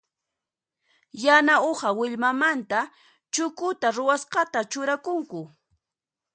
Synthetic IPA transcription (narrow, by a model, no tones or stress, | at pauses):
janaoχɑwɪʎmamant̪a | t͡ʃʊkʊt̪aɾʊwasqɑt̪at͡ʃʊɾakʊŋkʊ